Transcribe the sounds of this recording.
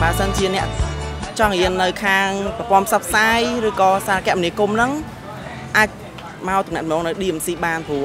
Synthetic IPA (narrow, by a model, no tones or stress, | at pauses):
ɓəːsənt͡ɕiənɛ̆əʔt͡ɕɑŋɦiənːɨwkʰaːŋpɑəpŏənpʰsɑpʰːsaːjrɨːkɑːsaːɾakɛ̆əʔmniəkumnɨŋ | ʔaːc̚ | maɔt̪umɛ̰t̪̚mnɔːŋnɨwɗiːɛmsiːɓaːnpʰuə